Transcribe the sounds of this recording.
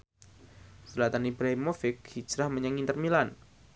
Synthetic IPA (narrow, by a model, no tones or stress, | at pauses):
sulat̪anibɾaimofɪk̚hid͡ʒɾahməɲaŋint̪ərmilan